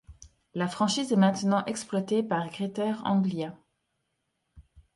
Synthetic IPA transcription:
lafχɑ̃ʃiːzɛmɛ̃t̪nɑ̃ʔɛksplwat̪epaʁɡʁet̪ɛʁɑ̰̃ɡlja

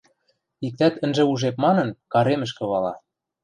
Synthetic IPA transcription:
ik̚t̪æt̪ə̆nʒĕuʒep̚mɑnɤ̆nkɑɾemə̆ʃ̬kɤ̆βɑlɑ

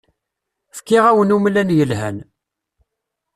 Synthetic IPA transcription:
fkːɪʁæwənumlænjəlhæ̰n

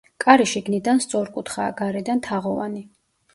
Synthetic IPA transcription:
kʼaɾiʃiɡnid̪anst̪sʼɔɾkʼut̪ʰχaːɡaɾɛd̪ant̪ʰaʁɔva̰ni

